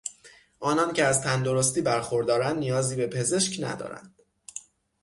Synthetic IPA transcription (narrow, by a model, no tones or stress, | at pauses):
ʔɒːnɒːncʰeæzt̪ʰænd̪oɾo̞st̪iːbæɾxo̞ɾd̪ɒːɾænd̪nijɒːziːbe̞pʰe̞ze̞ʃcnæ̰d̪ɒ̰ːɾæ̰nd̪̥